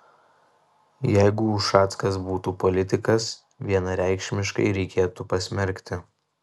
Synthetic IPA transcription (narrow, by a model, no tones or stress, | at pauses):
jɛɪɡuɑːt̪skɐs̬buːt̪uːpɔlʲɪt̪ʲɪkɐs | ʋʲiɛnɐɾʲæˑɪkʃʲmʲɪʃkɐ̰ɪɾʲɛɪkʲeːt̪upɐsʲmʲɛɾʲkʲt̪ʲɪ